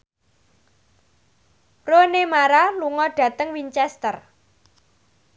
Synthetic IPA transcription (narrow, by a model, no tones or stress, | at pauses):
ronemaɾaluŋɔɖ̥ä̤t̪əŋwint͡ʃɛst̪ər